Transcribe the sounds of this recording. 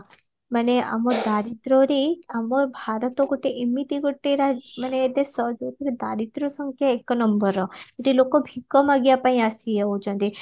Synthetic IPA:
məneʔa̰moɾd̪aɾit̪ɾoɾiamoɾbʱaɾət̪oɡoʈːeʔemit̪iɡoʈːeɾamənet̪esɔd͡ʒot̪iɾd̪aɾit̪ɾosəŋkʰjaekːnəmbəɾɔeʈilokobʱikːɔmaɡjapaĩasijeud͡ʒə̃nd̪i

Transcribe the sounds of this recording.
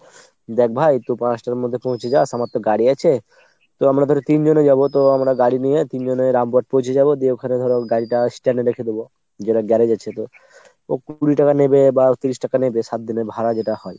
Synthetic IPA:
d̪ɛk̚ʰbʱajt̪opãsʈaɾmod̪ʱːepõw̃t͡ɕʰed͡ʑasamat̪ːoɡaɽiat͡ɕʰe | t̪oamɾad̪ʱɔɾet̪ind͡ʑoned͡ʑabot̪oamɾaɡaɽinijet̪ind͡ʑoneɾambaʈ̚põw̃t͡ʃʰed͡ʑabod̪ieokʰaned̪ʱɔɾeɡaɽiʈasʈɛneɾekʰed̪ebo | d͡ʑeʈaɡɛɾed͡ʑaːɕʰet̪o | okuɽiʈakanebebat̪ːiɾiʃʈakanebeʃat̪̚d̪ineɾbʱaɾad͡ʑeʈahɔe

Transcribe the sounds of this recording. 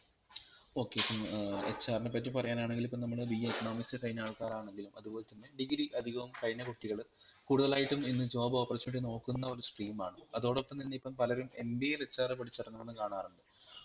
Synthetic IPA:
o̞ːkːe̞ipːɐmḛt͡ɕːaːrnepːɐt̬ʲːupɐrɐjaːnaːɳeŋɡilipːɐmnɐmːɐɭɨbijɐikːɐɳo̞ːmiksɨʈɐjnaːɭkaːɾaːɳe̞ŋɡilumɐðubo̞ːlet̪ːɐnːe̞ɖiɡɾiʔɐd̪ʱiɣɐʋɐmkɐjnɐkuʈːiɣɐɭ | kuːɽuðɐlaːjiʈːuminːɨd͡ʑo̞ːbɐoːpːɐrɐt͡ɕːɐmiʈːino̞ːkːunːɐo̞ɾusʈriːmaːɳɨɐðo̞ːɽopːɐnt̪inːeipːɐmpɐlɐɾume̞mbiejlet͡ɕːaːrɨpɐʈʰit͡ɕːɐʈɐnːɐenːɨkaːɳaːruɳɖɨ

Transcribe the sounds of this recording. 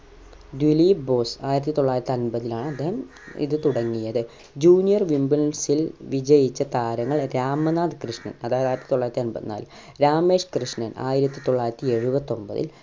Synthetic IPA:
d̪ulibo̞ːsaːjiɾɐt̪ːit̪o̞ɭːaːjiɾɐt̪ːiɐnbɐðilaːɳɨɐd̪ːe̞ːhɐm | ḭðɨt̪uɽɐŋːijɐðɨ | d͡ʑuːnijɐrʋimbilsilʋid͡ʑɐjit͡ɕːɐt̪aːɾɐŋːɐɭɾaːmɐnaːd̪krɨʂɳɐ̰nɐðaːjɐðaːjɾɐt̪ːi̥t̪o̞ɭːaːjɾɐt̪ːiɐnbɐ̰ðɨna̰ːl | ɾaːme̞ːʂkrɨʂɳɐna̰ːjiɾɐt̪ːit̪o̞ɭːaːiɾɐt̪ːie̞ɻubɐt̪ːo̞mbɐ̰ðḭl

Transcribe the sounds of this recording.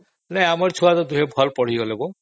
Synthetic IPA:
nɛamaɾt͡ɕʰuat̪ɔd̪uɦebʱɔlpɔɽ̤iɦolebo

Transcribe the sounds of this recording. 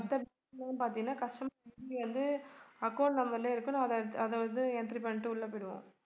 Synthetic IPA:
ɐt̪ːɐb | ɐŋnpaːɾt̪ĩŋɡɐnːaːkɐʂʈɐmʋɐnd̪ɯɐkːɐːʈnɐmːɐɾɪleːɪɾɯkːɯnɐðɐɐðɐʋɐnd̪ɯɛɳʈɾipɐɳːɪʈːɯʊɭːɐpːɪɽɯʋõ̰ː

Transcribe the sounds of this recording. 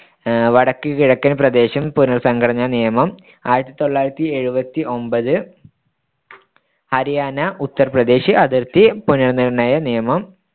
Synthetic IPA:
ʋɐɽɐkːɨkiɻɐkːɐnprɐd̪e̞ːɕɐmpunɐrsɐŋɡɐɽɐɲːɐnijɐmɐm | a̰ːjiɾɐt̪ːit̪o̞ɭːaːjɾɐt̪ːie̞ɻubɐt̪ːiʔo̞mbɐðɨ | hɐɾijaːnɐʔut̪ːɐrprɐd̪e̞ːɕiʔɐðɐrt̪ːipunɐrnːiɽɐnaːjɐnijɐmɐm

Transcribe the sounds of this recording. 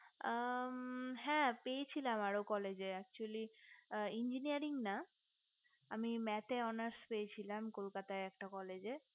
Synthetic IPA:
ɦɛ̃pejet͡ɕʰilamaɾokɔled͡ʑeɛk̚t͡ɕuali | ind͡ʑinijaɾiŋna | amimɛt̪eɔnaɾspeet͡ɕʰilamkolkat̪aeɛk̚ʈakɔled͡ʑe

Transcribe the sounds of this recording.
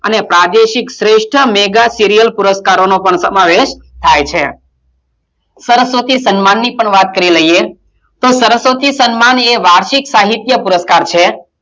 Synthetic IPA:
ə̰nepɾad̪eʃiksɾeʃʈʰəmeɡasiɾijəlpuɾəskaɾonopəɳsəmaʋeʃt̪ʰajt͡ʃʰe | səɾəsʋot̪ʰisənmanːipəɳʋat̪kəɾiləɦije | t̪osəɾəsʋət̪isənmaneʋaɾʃiksaɦit̪jəpuɾəskaɾt͡ʃʰe

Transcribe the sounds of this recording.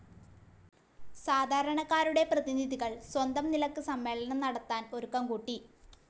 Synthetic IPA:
saːd̪ʱaːɾɐɳɐkːaːɾuɽe̞prɐðiniðiɣɐɭswɐnd̪ɐmnilɐkːɨsɐmːe̞ːɭɐɳɐmnɐɽɐt̪ːaːno̞ɾukːɐmkuʈːi

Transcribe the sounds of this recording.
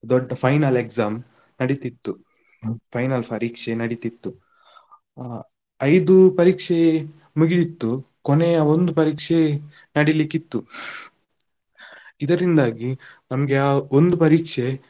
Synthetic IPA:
d̪ɔɖːɐpʰɐjnɐlekzaːm | nɐɽit̪it̪ːu | pʰɐjnɐlpʰɐɾiːkʂenɐɽit̪it̪ːu | ɐjd̪upɐɾiːkʂe | muɡid̪it̪ːu | kɔneɐond̪upɐɾiːkʂe | nɐɽilikit̪ːu | id̪ɐɾind̪aːɡinɐmɐɡeaːond̪upɐɾiːkʂe

